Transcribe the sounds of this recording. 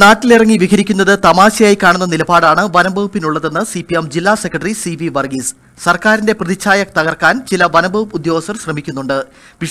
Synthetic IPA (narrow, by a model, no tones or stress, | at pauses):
naːʈːilirɐŋːiʋikɐɾikʲːunːɐðɨt̪ɐmaːɕɐjaːjkːaːɳunːɐnilɐbaːɽaːɳɨʋɐnɐmbʱɐʋɐpːinuɭːɐðe̞nːɨsipiemd͡ʑilːaːsekːrɐʈɐrisiʋiʋɐrɡis | sɐrkaːɾinde̞prɐðit͡ɕːaːjɐkt̪ɐɣɐrkaːnt͡ɕilɐʋɐnɐmbʱɐʋɐpːud̪jo̞ːɐsɐrɕrɐmikʲːunːuɳɖɨ | pi